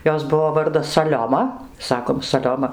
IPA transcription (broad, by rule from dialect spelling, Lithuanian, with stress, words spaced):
ˈjoːs ˈbʊʋoː ˈʋɐrdɐs sɐˈlʲoːmɐ ˈsɑːkoːm sɐˈlʲoːmɐ